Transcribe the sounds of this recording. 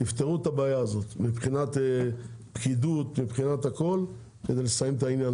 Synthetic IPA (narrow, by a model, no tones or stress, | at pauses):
tift̪eʁut̪abaːjaːzo̞t̪mipχinat̪e | pkid̪ut̪mipχinat̪ako̞l | kedejlesajimt̪ainjan